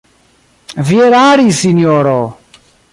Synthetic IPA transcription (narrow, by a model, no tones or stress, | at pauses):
vieɾaɾisinjɔɾɔ